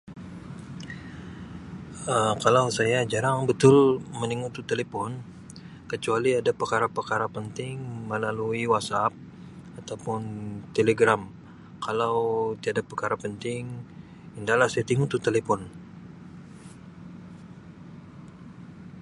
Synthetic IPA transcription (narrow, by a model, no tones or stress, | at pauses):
əmkalawsajad͡ʒaɾaŋbət̪ʊlməniŋut̪ut̪elepɔn | kət͡ʃualiadapərkaɾapərkaɾapənt̪ɪŋməlaluiwasap̚ | at̪awpʊnt̪eleɡɾam | kʰalawt̪iadapərkaɾapənt̪ɪŋ | indahlahsajat̪iŋut̪ut̪elepɔn